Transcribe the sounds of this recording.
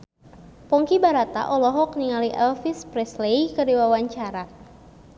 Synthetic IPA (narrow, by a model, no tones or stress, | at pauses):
pɔŋkibaɾat̪a̰ʔɔlɔɦɔk̚niŋaliʔɛlfispɾɛslejkərdiwawaɲt͡ʃaɾa